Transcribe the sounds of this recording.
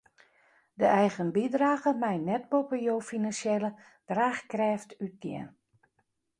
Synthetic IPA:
dəɛjɣənbidraːɣəmɛjnːɛt̚bopəjoːfinansjɛlə | d̥raːxkrɛːftyt̚djɛ̰n

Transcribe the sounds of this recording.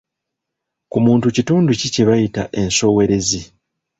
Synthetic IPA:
kumuːntucituːnducice̞βajita̰ʔe̞nso̞ːwe̞ɾe̞zi

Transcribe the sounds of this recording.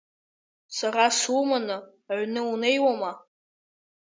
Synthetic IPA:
sarasumanɨ | ʕʷnɨunejwama

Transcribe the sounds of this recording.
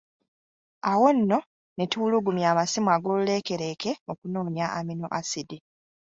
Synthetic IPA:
awo̞nːo̞ | netuuluɡumjaːmasimwaɡo̞lule̞ke̞ɾe̞ːke̞okuno̞ːnjaʔamino̰ʔasidi

